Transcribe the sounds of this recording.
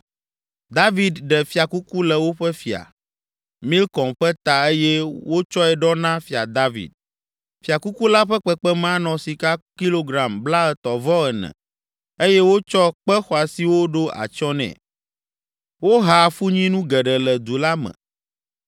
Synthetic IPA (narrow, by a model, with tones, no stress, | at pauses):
d̪a˦vi˨d̪ɖɛ˨fi˨a˨ku˦ku˦lɛ˨wo˦ɸɛ˦fi˨a̰˨ | mĩ˦lkɔ̃˨mɸɛ˦t̪a˨e˦jɛ˦wo˦t͡ʃɔ˦ɛ˨ɖɔ˦nã˦fi˨a̰˨d̪a˦vḭ˨d̪̚ | fi˨a˨ku˦ku˦la˦ɸɛ˦k͡pɛ˦k͡pɛ˦mã˦nɔ̃˨si˨ka˦ki˦lo˦ɡɾa˨mbla˦ɛ˨t̪ɔ˨vɔ˦ɛ˨nɛ̰̃˨ | e˦jɛ˦wo˦t͡ʃɔ˦k͡pɛ˦xɔ˨a˨si˨wo˦ɖo˦a̰˨t͡ʃɔ˦nɛ̰̃˨ | wo˦ɦa˨fu˦ɲĩ˦nũ˦ɡɛ˨ɖɛ˨lɛ˨d̪u˨la˦mɛ̰̃˨